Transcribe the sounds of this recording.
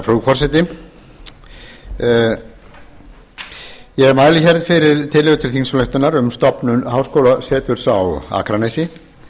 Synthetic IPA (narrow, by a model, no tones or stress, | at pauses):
fɾuːfɔrsɛjt̪ɪ | jɛɣɛɾmaːjlɪçɛɾt̪fɪɾɪɾt̪ʰɪlːɪɣʏt̪ʰɪlθiŋnslœht̪ʏnaɾʏmst̪ɔpnʏnhaːwskoːwlasɛːt̪ʏɾ̥sawa̰ːkʰɾanejsɪ